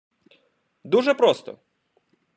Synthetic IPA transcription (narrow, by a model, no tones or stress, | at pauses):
d̪uʒɛpɾɔst̪ɔ̰